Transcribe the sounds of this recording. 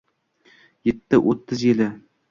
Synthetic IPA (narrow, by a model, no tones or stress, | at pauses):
jet̪ːɪʔot̪ʰːɪzjelɪ